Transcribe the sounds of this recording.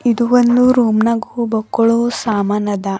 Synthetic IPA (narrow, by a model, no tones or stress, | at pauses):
id̪uʋond̪uɾuːmnɐɡubɐkːoɭusaːmaːnɐd̪ɐ